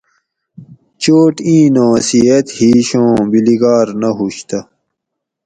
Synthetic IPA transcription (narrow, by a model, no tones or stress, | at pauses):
t͡ɕoːʈĩːnõːsijɐt̪hiːɕõːbiliɡaːɾnɐɦuɕt̪ɐ